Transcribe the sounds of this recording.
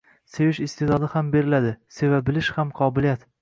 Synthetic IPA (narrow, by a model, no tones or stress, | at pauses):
sejɪʃɪst̪ʰed̪ɒd̪ɪhambe̞ɾɪlad̪ɪsevab̚bɪlɪʃhamqʰɒbɪlijat̪